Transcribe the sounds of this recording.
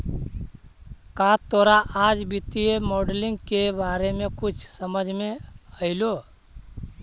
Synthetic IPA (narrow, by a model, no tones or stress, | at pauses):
kaːt̪oːɾaʔaːd͡ʒbɪt̪ijemɔːɖlɪ̃ŋɡkebaːɾemẽkʊt͡ʃʰsəməd͡ʒʱmẽəɪloː